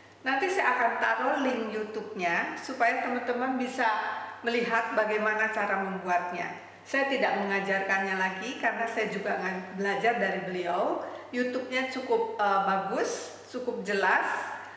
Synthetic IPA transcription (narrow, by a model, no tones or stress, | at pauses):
nant̪isajaːkant̪aɾolɪŋjut̪ʊp̚ɲasupajat̪əmant̪əmanbisaməliɦat̪̚baɡajmanat͡ʃaɾaməmbuat̪̚ɲa̰ | sajat̪idaʔ̚məŋad͡ʒarkanɲalaɡikarənasajad͡ʒuɡaːŋanbəlad͡ʒardaɾibəliawjut̪ʊp̚ɲat͡ʃukʊp̚əbaɡʊs | t͡ʃukʊp̚d͡ʒəlas